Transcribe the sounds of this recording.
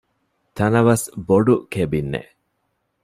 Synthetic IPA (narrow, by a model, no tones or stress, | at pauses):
t̪ɐnɐʋɐsboɖukebinːḛ